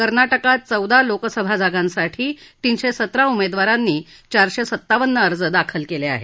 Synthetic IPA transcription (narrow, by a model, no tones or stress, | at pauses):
kəɾnaʈəkat̪̚t͡səwd̪alokəsəbʱad͡zaɡãnsaʈʰiːʈ̪inɕesət̪ɾaumed̪ʋaɾanːiː | t͡ɕaɾɕesət̪ːaʋənːəːɾd͡zəd̪akʰəlkelea̰ɦḛ